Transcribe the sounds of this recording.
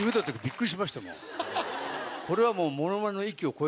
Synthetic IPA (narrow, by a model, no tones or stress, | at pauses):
ibɯd̪ot̪ːekabʲikːɯ̟ɾiɕ̬imaɕi̥t̪amo̰ | ko̞ɾe̞β̞amo̞ːmo̞nomanenoikʲio̞ko̞e